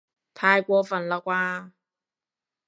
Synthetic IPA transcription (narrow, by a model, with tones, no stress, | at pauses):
t̪ʰaː˧jkʷɔː˧fɐ˨˩nlaː˨˧kʷaː˧